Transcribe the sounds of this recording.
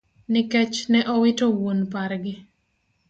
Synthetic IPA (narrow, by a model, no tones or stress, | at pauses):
nɪkɛt͡ʃnɛʔɔwɪtowonpaɾɡɪ